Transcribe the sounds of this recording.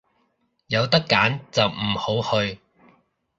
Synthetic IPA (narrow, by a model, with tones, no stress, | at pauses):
jɐ˨˧wt̪ɐ˥kːaː˨˥nt͡sɐ˨wm̩˨˩ho˨˥whɵ˧ɥ